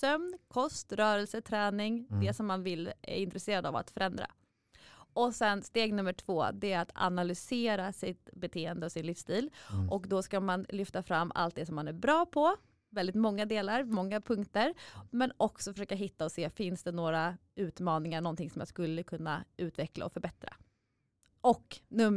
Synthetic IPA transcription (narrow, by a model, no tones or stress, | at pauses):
sœmnkʰɔst̪ɾœːɾɛlsət̪ʰɾɛːnɪŋd̪ɛsɔmːanvɪlæ̰ɾɪnt̪ɾɛseːɾad̪a̰va̰t̪fœɾɛnd̪ɾa̰ | ɔsɛnst̪eːɡnɵmːəʈʰv̥oːd̪ɛæɾat̪a̰nalʏseːɾasɪt̪bɛt̪ʰeːənd̪əɔsɪnlɪfst̪iːlʔɔkd̪ɔskamanlʏft̪afɾamːa̰lt̪̚d̪ɛsɔmːanæɾbɾɑːpʰɔ | vɛld̪ɪt̪mɔŋːad̪eːlaɾmɔŋːapʰɵŋkt̪əɾmɛnɔksɔfœʂøːkaɦɪt̪ːaɔseːfɪnsd̪ɛnoːɾaʉ̟ːt̪mɑːnɪŋaɳɔnt̪ɪŋsɔmja̰skɵlːəkʰɵnːaʉ̟ːt̪vɛkla̰ɔfœɾbɛt̪ɾa̰ | ʔɔkːnɵm